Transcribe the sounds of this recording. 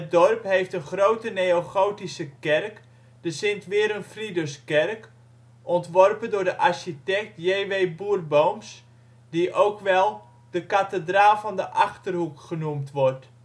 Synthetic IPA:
ət̚dɔrphejftənχrowtəneoχowtisəkɛrk | d̥əsɪntʋɪəɾənfridəskɛrk | ʔɔntʋɔrpəndʊːɹdəʔarʃitɛk̚tjeːʋejbuərbowms | diʔowkʋɛlˠ | d̥əkatədraːvɑndəʔɑχtərɦukχənumtʋɔrt

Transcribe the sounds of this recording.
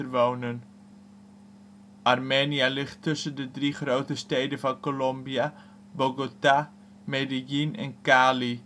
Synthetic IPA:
ərʋownən | ʔɑrmeːnialɪχtʰːɵsəndədriχrowtəstejdəvɑnkolombia | boɡota | medijinɛ̰nkaːli

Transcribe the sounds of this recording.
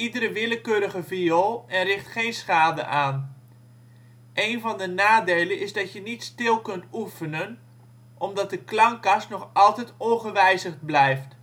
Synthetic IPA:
idəɾəʋɪləkøːɾəχəvijolˠɛnrɪχtχejnsχaːdə̰ʔaːn | ʔejnvɑndənaːdejlənɪzdɑtjənitstɪlˠkɵntufənən | ʔɔmdɑt̚dəklɑŋkɑstnɔχɑlˠtɛjtɔnχəʋɛjzəχd̚blɛjft

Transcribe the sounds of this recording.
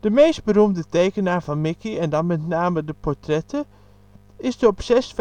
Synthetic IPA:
d̥əmejst̚bəɾumdətejkənaːɹvɑnmɪkiɛndɑnmɛtnaːmədəpɔɹtrɛtə | ɪsdəɔpsɛsf

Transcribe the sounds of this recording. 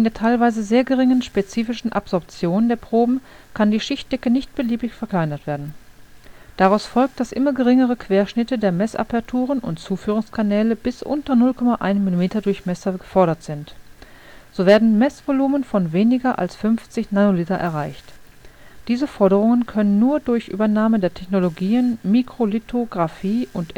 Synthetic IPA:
ɪndeːɐtʰaɪlvaɪzəzeːɐɡəʁɪŋənʃpet͡siːfɪʃn̩ʔa̰pz̥ɔɐp̚t͡sjoːnndeːɐpʁ̥oːbm̩kʰandiːʃɪçt̚d̥ɛkənɪçt̚b̥əliːbɪçfɛɐkl̥aɪnɐtv̥eːɐdn̩ | d̥aʁaʊsfɔlk̚td̥asʔɪmɐɡəʁɪŋəʁəkʰv̥eːɐʃnɪtədeːɐmɛsʔa̰pɐtʰuːʁ̞ənʔʊ̰ntt͡suːfyːʁ̞ʊŋskʰanɛːləbɪsʔʊ̰ntɐnʊlkʰɔmaʔa̰ɪnmilimeːtɐdʊɐçmɛsɐɡəfɔɐɾɐtz̥ɪnt | z̥oːveːɐdn̩mɛsv̥oluːmənfɔnveːnɪɡɐʔa̰lsfʏmft͡sɪçnanolitɐʔɛ̰ɐʁaɪçt | d̥iːzəfɔɐɾəʁ̞ʊŋənkʰœnənːuːɐdʊɐçʔy̰ːbɐnaːmədeːɐtʰɛçnoloɡiːənmikʁ̥olitʰoɡʁafiːʔʊnt

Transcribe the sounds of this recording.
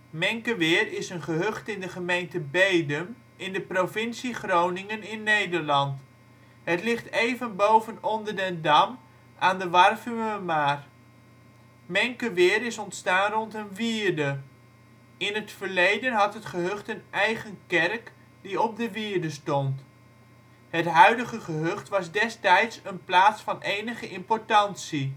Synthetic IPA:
mɛŋkəʋɪːrɪsənχəɦøχtɪndəχəmejntəbejdəm | ɪndəprovɪnsiχrownɪŋənɪnːejdəɹlɑnt | ɦətlɪχtejvənbowvənɔndəɹdɛndɑm | ʔaːndəʋɑrfyməmaːr | mɛŋkəʋɪːɾɪsɔntstaːnrɔntənʋɪːɹdə | ɪnɦətfəɹlejdənɦɑtɦətχəɦɵχtənʔɛjχənkɛrk | diɔp̚dəʋɪːɹdəstɔnt | ɦətɦœɥdəχəχəɦɵχtʋɑzdɛstɛjtsənplaːtsfɑnejnəχəʔɪmpɔɹtɑntsi

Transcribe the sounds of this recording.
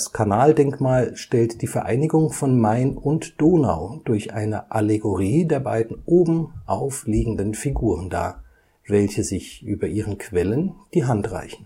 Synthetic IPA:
skʰanaːldɛŋkmaːlʃtɛltd̥iːfɛɐʔa̰ɪnɪɡʊŋfɔnmaɪnʊntd̥oːna̰ʊd̥ʊɐçʔa̰ɪnəʔaleɡoʁiːdeːɐba̰ɪdn̩ʔoːbm̩ʔaʊfliːɡŋ̩dənfiɡuːʁ̞ənda̰ː | vɛlçəzɪçʔy̰ːbɐʔiːʁ̞ənkʰv̥ɛlənd̥iːɦantʁ̥a̰ɪçn̩

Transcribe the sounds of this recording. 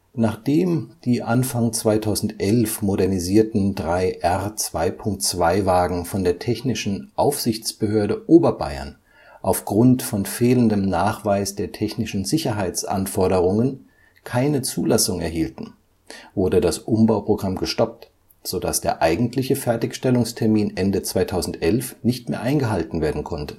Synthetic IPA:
naːχd̥eːmd̥iːʔanfaŋt͡sv̥aɪtʰaʊzn̩tʔɛlfmoɾɛɐniziːɐtn̩dʁaɪʔɛʁt͡sv̥aɪpʰʊŋk̚tt͡sv̥aɪvaːɡŋ̩fɔndeːɐtʰɛçnɪʃn̩ʔaʊfz̥ɪçt͡sb̥əhøːɐɾəʔoːbɐba̰ɪɐ̰n | ʔaʊfɡ̥ʁʊntfɔnfeːləndəmnaːχv̥aɪsd̥eːɐtʰɛçnɪʃn̩zɪçɐɦaɪt͡sʔa̰nfɔɐɾəʁʊŋən | kʰaɪnət͡suːlasʊŋɛɐɦiːltn̩ | vʊɐdədasʔʊmbaʊpʁ̥oɡʁamɡəʃtɔp̚t | z̥oda̰sd̥eːɐʔaɪɡŋ̩tʰlɪçəfɛɐtɪçʃtɛlʊŋstʰɛɐmiːnʔɛndət͡sv̥aɪtʰaʊzn̩tʔɛlfnɪçtmeːɐʔaɪnɡəɦaltn̩veːɐdn̩kʰɔntə̥

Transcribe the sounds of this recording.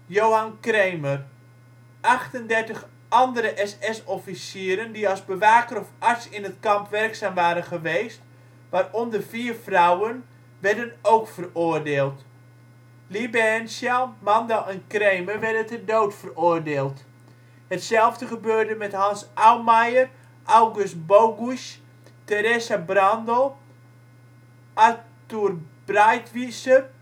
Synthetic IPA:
jowɦankrejmər | ʔɑχtəndɛrtəχ | ʔɑndəɾəʔɛsɛsɔfisiːɾəndiɑlˠzbəʋaːkəɾɔfaɹtsɪnɦətkɑmpʋɛrksaːmʋaːɾənχəʋejst | ʋaːrɔndərviːərfrawən | ʋɛɹdənowkfəroːrdeːlˠt | libɛnsjamandaʔɛnkreːməʋɛrdəntədoːtfəroərdeːlˠt | hətsɛlˠvdəχəbøːrdəmɛthansawmajər | ʔawɡʊst̚bowɡus | teɾesabrandəlˠ | ʔaturb̥rajtʋisər

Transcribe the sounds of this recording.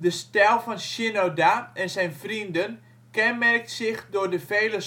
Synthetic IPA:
dəstɛlˠfɔnʃɪnodaɛnsɛjnfrindən | kɛnmɛrk̚tsɪxdʊːrdəfejlə

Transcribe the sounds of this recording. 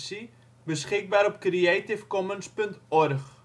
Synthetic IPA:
si | bəsχɪk̚baːɾɔp̚kriɛtifkɔmənspəntɔrχ

